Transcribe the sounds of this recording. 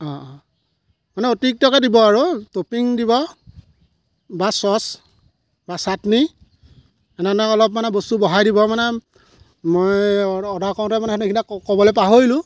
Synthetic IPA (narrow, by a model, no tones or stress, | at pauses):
ɔ̃ | manɛotik̚tɔkɛdibɔaɹutopiŋdibɔ | basɔs | basatni | ɛnɛnɛɔlɔp̚manɛbostubɔɦajdibɔmanɛ | mojɔdakɔ̃tɛmanɛnekʰinakɔbɔlɛpaɦojlʊ̃